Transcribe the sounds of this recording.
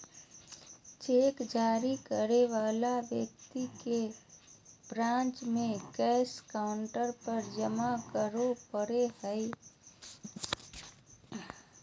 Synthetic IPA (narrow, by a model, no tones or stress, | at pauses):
t͡ʃeːkd͡ʒaːɾikəɾeʋaːlaʋjə̰k̚t̪ike | bɾãːnt͡ʃmẽɡɛːskaʊɳʈəɾpəɾd͡ʒəmakəɾopəɾehəɪ